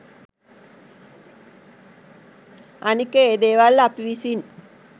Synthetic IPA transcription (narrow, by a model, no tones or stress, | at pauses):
anikːəeːd̪eːʋalːapiʋisin